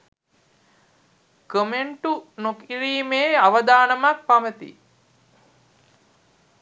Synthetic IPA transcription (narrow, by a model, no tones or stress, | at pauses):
kəmeɳʈunokiɾiːmeːaʋəd̪aːnəmak̚pamət̪ḭ